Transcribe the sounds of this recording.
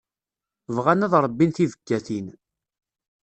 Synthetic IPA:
vʁanæðɾˤəbːinθivəɡːæθin

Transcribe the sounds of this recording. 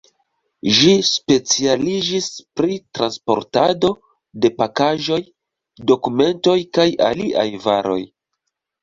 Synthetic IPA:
ʒispe̞t͡sialid͡ʒispɾitɾanspo̞̰ɾtado̞ | de̞pakaʒo̞j | do̞kume̞nto̞jkaja̰liʔa̰jvaɾo̞̰j

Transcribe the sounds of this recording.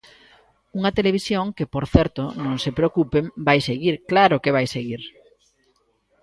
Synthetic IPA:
uŋɐt̪eleβ̞isjoŋkepoɾθɛɾt̪ʊnõŋsepɾeokupembajseɣiɾklaɾʊkeβ̞ajseɣiɾ

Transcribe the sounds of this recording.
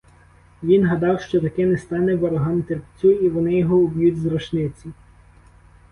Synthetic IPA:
ʋʲinɦɐd̪ɑwʃt͡ʃɔt̪ɐkɛnɛst̪ɑnɛbɔɾɔɦɑmt̪erpt͡sʲuiʋɔnɪjɔɦɔʊbʲjutʲzɾɔʃnɪt͡sʲi

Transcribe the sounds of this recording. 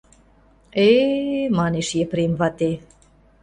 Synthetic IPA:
emɑneʃjepɾemvɑt̪e

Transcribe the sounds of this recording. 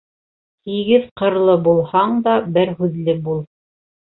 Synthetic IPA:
t̪iɡɘðqɤ̆ɾlˠɤbulˠhɑɴd̪ɑbɘɾɦʉðlɘbulˠ

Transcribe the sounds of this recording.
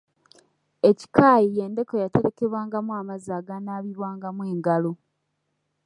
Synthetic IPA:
e̞ci̥kaːjije̞ːnde̞kojateɾeke̞βwaːŋɡamwaːmazaːɡanaːβiɾwaːŋɡamwe̞ːŋɡalo̞

